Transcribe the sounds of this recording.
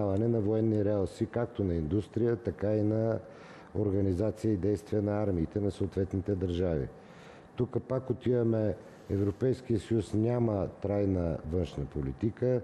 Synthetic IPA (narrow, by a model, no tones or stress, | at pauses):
avɐnɛnɐvoɛnːiɾɛalˠsikak̚t̪onɐind̪ust̪ɾijət̪ɐkainɐ | oɾɡɐnizat̪sijəid̪ɛjst̪viɛnɐaɾmiːt̪ɛnɐsoot̪vɛt̪nit̪ɛd̪ɐɾʒavḭ | t̪ukəpakot̪ivɐmɛ | ɛvɾopɛjskijəsəjusnʲamət̪ɾajnəvənʃnəpolit̪ikə